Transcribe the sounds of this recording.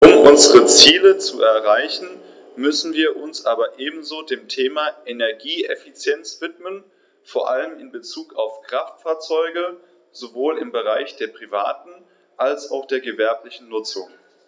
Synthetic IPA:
ʔʊmʔʊnzəʁət͡siːlət͡suʔɛɐʁaɪçn̩ | mʏsn̩viːɐʔʊnsʔaːbɐʔeːbm̩zoːdeːmtʰeːmaʔɛnɛɐɡiːɛfit͡sjɛnt͡sv̥ɪtmən | foːɐʔa̰ləmɪnbət͡suːkaʊfkʁ̥aftfaːɐt͡sɔʏɡə | z̥ovoːlɪmbəʁaɪçd̥eːɐpʁ̥iva̰ːtn̩ | ʔalsaʊxd̥eːɐɡəvɛɐplɪçn̩nʊt͡sʊŋ

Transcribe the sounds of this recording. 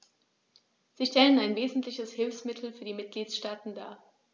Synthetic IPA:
z̥iːʃtɛlənaɪnveːzn̩tlɪçəshɪlfsmɪtʰl̩fyːɐdiːmɪt̚ɡ̥liːtʃtaːtn̩da̰ːɐ

